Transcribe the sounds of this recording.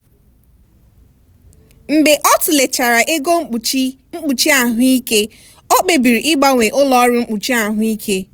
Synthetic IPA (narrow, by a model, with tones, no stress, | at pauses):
m̩˨be˨ʔɔ˦tʊ˨le˨t͡ʃa˨ɾa˨ʔe˦ɡo˦ŋ͡m̩˦k͡p | ŋ͡m̩˦k͡pu˨t͡ʃi˦a˨ɦʊ˦i˦ke˦ | o˦k͡pe˨bi˨ɾi˨ʔɪ˦ɡ͡ba˨ŋʷe˨ʔʊ˦lɔ˦ɾʊ˦ŋ͡m̩˦k͡pu˨t͡ʃi˦a˨ɦʊ˦i˦kʰe˦